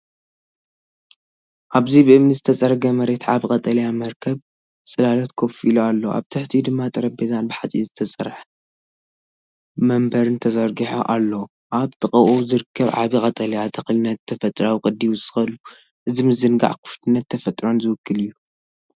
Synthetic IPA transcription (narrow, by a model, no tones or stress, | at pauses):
ʔaβzibɨʔɨmnizɨt̪ʰɐsʼɐɾɡɐmɐɾe̞t̪ʕaβikʼɐt̪ʼɐlɐjamɐɾkʰɐβ | sʼɨlalɐt̪kʰofilualːɐa̰βt̪ʰɨħt̪ʰid̪ɨmːat̪ʼɐɾɐbezanbɨħat͡sʼizɨt̪ʰɐsʼɐɾħ | mɐmbɐɾɨnt̪ʰɐzɐɾɡiħo̰ʔalːɐw | ʔat̪ʼɨχʼɐʔuzɨɾɨkʰːɐβʕa̰βikʼɐt̪ʼɐlɐjat̪ʰɐxlɨnːɐt̪t̪ʰːɐfɐt̪ʼɾawikʼɨd̪ːiwʊsɨ̥xɐlu | ʔɨzimɨzɨnɡa̰ʕkʰɨ̥ft̪ʰɨnːɐt̪ʰːɐfɐt̪ʼɾo̞nzɨwʊkʰːɨlɨjːu